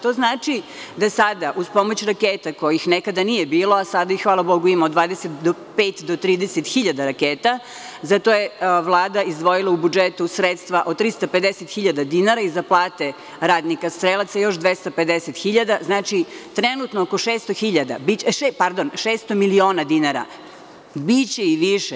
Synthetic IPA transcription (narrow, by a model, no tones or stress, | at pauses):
t̪oːznaːt͡ʃid̪asad̪aʔuspomot͡ɕɾakeːt̪ako̞jixnekad̪anijebiːlˠoasad̪aixʋaːlˠabo̞ɡuimaod̪ʋaːd̪eset̪d̪opeːt̪d̪ot̪ɾiːd̪eset̪xiʎad̪aɾakeːt̪a | zat̪o̞jeʋlˠaːd̪aizd̪ʋo̞jilˠaubud͡ʒet̪usɾet̪st̪ʋaʔot̪ɾist̪aped̪eset̪xiʎad̪ad̪inaɾaizaplˠaːt̪e | ɾaːd̪nikast̪ɾelˠat̪sajo̞ʃd̪ʋest̪aped̪eset̪xiʎad̪aznaːt͡ʃit̪ɾenut̪noːkoʃeːst̪oxiʎad̪a̰bit͡ɕʃepaɾd̪o̞nʃeːst̪omilio̞ːnad̪inaɾa̰ | bit͡ɕeiʋiʃe